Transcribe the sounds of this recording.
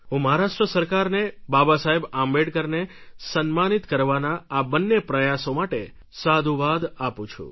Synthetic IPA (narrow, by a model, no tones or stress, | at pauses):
ɦũməɦaɾaʂʈɾəsəɾkaɾnebabasaɦebãmbeɽkəɾnesənmanit̪kəɾʋanaːbənːepɾəjasomaʈe | sad̪ʱuʋad̪apũt͡ʃʰṵ